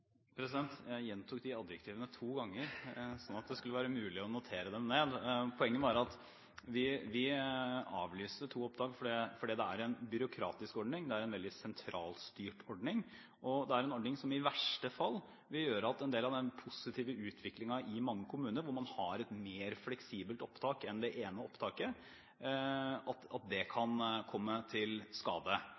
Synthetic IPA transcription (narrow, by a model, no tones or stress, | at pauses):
pʰɾɛsɪd̪ɛnt̪jæjɛnt̪ʰʊk̚d̪ɪɑd̪jəkt̪ʰiːʋənət̪ʰuːɡɑŋːəɾsɔnːɑt̪̚d̪ɛskʉlːəʋæːɾəmʉːlɪɔnʊt̪ʰeːɾəd̪ɛmneːd̪pʰɔɛŋːənʋɑɾɑt̪ | ʋɪʋɪ | ɑ̰ːʋlyːst̪ət̪ʰuːɔp̚d̪ɑːɡfɔɖɛfɔɖiːd̪ɛæɾɛnbʏɾʊkʰɾɑ̰ːt̪ɪskɔɖɳɪŋd̪ɛæɾɛnʋɛld̪ɪsɛnt̪ʰɾʔɑːlst̪yːʈɔɖɳɪŋ | ʔɔd̪ɛæɾɛnɔɖɳnɪŋsɔmɪʋæʂʈəfɑlː | ʋɪljøːɾəɑt̪ɛnd̪eːlɑd̪ɛnpʰʊsɪt̪ʰiːʋəʉːt̪ʰʋɪklɪŋɑʔɪmɑŋːəkʰʊmʉːnəɾʋʊɾmɑnhɑɾɛt̪meːɾflɛksiːbəlt̪ɔpt̪ʰɑːkɛnd̪ɛʔeːnəɔpt̪ʰɑːkə | ɑt̪ɑt̪̚d̪ɛkʰɑnkʰɔmːət̪ʰɪlskɑ̰ːd̪ə